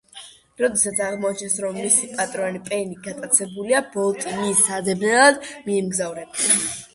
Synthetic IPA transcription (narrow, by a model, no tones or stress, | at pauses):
ɾɔd̪ɛsat̪sʰaʁmɔat͡ʃʰnɛsɾɔmːisipʼat̪ʼɾɔanipʼɛniɡat̪ʼat̪sʰɛbuliabɔlˠt̪ʼimisad̪ɛbnɛlˠad̪miɛmɡzavɾɛba